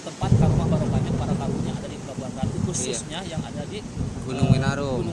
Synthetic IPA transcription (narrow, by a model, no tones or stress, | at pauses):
t̪əmpat̪̚kaɾumabaɾokaɲapaɾakabuɲaadadipəɡabuarkankusʊsɲajaŋa̰dadiɡunʊŋminaɾʊm